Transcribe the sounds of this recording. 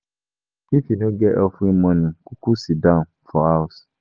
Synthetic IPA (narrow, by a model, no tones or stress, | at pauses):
ifinʊ̃ɡɛʔɛfʊĩmɔ̃nʊ̃kʰukʰusidãn | fɔaʊs